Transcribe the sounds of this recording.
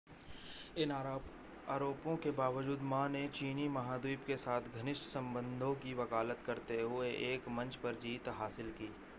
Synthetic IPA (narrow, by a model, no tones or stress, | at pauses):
ɪn | aːɾoːpõkebaːʋəd͡ʒuːd̪mãnet͡ʃiːnimɐɦaːd̪wiːpkesaːt̪ʰɡʱɐnɪʃʈsɐ̃mbə̃nd̪ʱõkiʋɐkaːlət̪kɐɾt̪eɦʊeʔeːkmɐ̃nt͡ʃpɐɾd͡ʒiːt̪ɦaːsɪlkiː